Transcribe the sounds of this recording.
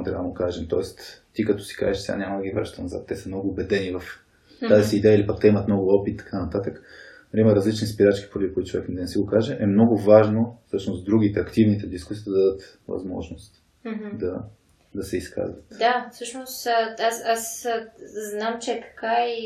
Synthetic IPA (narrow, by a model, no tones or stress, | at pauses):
mt̪ɾʲa̰vəd̪əɡkaʒɛmt̪ɔɛst̪t̪ːikɐt̪ɔ̥si̥ka̰zɛʃsɛɡa̰nʲɲamɐd̪ɐɡʲivaɾʒt̪ɐnɐza̰t̪ːɛsəmnɔɡʊːbɛd̪ɛnivɐf | t̪aziːd̪ɛjəilipɐk̚t̪ɛimət̪mnɔɡʊɔpit̪ːt̪ɐ̥kʰanɐt̪at̪ək | ɾiimɐɾɐzlit͡ʃnispiɾat͡ʃkʲi̥poɾɐd̪ikoid̪iʊt͡ʃovɛ̰knɛd̪ɐnɛsɛɡoʊkaʒɛʔɛmnɔɡʊvaʒnofsɤʃnʊsd̪ɾuɡ̟it̪ɛɐkt̪ivnit̪ɛd̪iskusid̪ɐd̪d̪ət̪ | vɐ̰zmɔ̰ʒnost̪ | d̪ɐ | d̪ɐsɛiskʰa̰zvət̪d̪afsɤʃnosasas | znamt͡ʃɛk̪ɐ̥kai